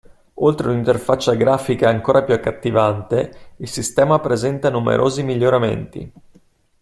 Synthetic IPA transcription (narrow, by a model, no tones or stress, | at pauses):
olt̪ɾenint̪erfat͡ʃːaɡɾaːfikaaŋkoːɾʔapjuakːat̪ːivant̪eilsist̪ɛːmapɾezɛnt̪anumḛɾʔo̰ːzimiʎːoɾamḛnt̪ḭ